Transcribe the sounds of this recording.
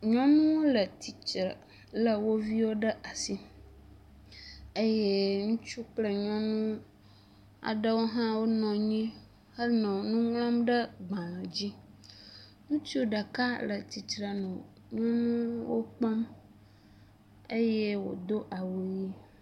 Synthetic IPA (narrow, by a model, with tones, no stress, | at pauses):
ɲɔ̃˦nũ˦wo˦lə˨t̪i˨t͡ʃɾə˨ | lə˨wo˦vi˦wo˦ɖə˦ʔa˨si˦ | e˦je˦ŋũ˦t͡ʃu˦k͡plə˦ɲɔ̃˦nũ˦ | a̰˨ɖə˦wo˦ɦã˦wo˦nɔ̃˨ɲĩ˦ | hə˦nɔ̃˨nũ˦ŋ̃˦ã˦mɖə˦ɡ͡bã˨mã˨d͡ʑi˦ | ŋũ˦t͡ʃi˦o˦ɖa˨ka˦lə˨t̪i˨t͡ʃɾa˨nɔ̃˨ | ɲɔ̃˦nũ˦wo˦k͡pɔ˦m | e˦je˦wo̰˨d̪o˦ʔa˨wo˨ɲi˦